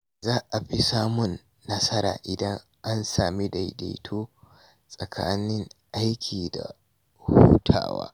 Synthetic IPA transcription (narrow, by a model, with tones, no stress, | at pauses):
zaː˦ʔa˨ɸi˦saː˦mʊ˨nː | ɐ˦sɐ˦ɾa̰ː˨ʔɪ˨dɐ˦ŋ | ʔa˦nsaː˨mi˦da˨jda̰˨jtʰoː˦ | sʼɐ˨kʰa̰ː˦nɪ˦ŋʔa˦jkʲʰiː˨da̰˨ | huː˦tʰa̰ː˨wa̰ː˦